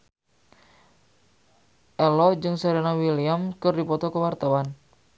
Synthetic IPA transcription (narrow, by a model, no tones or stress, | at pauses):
ʔɛlɔd͡ʒɨŋsaɾinawiliamkɨrdipɔt̪ɔkəwart̪awan